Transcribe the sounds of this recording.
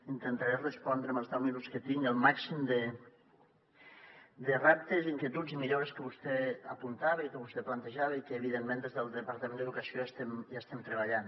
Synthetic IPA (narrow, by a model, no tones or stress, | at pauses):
int̪ənt̪aɾerəspɔnd̪ɾəməlˠzðɛwminuskət̪iŋəlˠmaksimd̪ə | d̪ərap̚t̪eziŋkjet̪ud͡zimiʎoɾeskəβust̪ɛəpunt̪aβeikəβust̪ɛplant̪əʒaβəikəːβ̞iðenmẽnd̪ezðəlˠd̪əpaɾt̪əmẽnd̪əðukɐsioəst̪ɛmʒast̪ɛmt̪ɾəβaʎan